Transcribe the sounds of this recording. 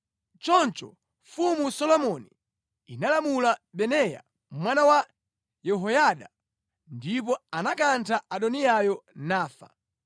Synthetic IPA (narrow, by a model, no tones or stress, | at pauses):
t͡ʃɔnt͡ʃɔ̰ | fumusɔlɔmɔni | inalamulaɓɛnɛja̰ | mwanawa | jɛɦɔjaɗa | ndip̬ɔanakantʰaʔaɗɔniajɔnaːfa̰